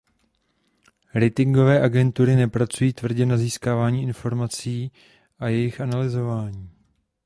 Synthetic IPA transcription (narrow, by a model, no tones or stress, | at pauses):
ɾɛt̪ɪŋɡo̞vɛːʔaɡɛnt̪uɾɪnɛpɾat͡sujiːt̪vr̩ɟɛnaziːskaːvaːɲiːʔɪnfo̞ɾmat͡siː | ʔajɛjɪxʔanalɪzo̞vaːɲiː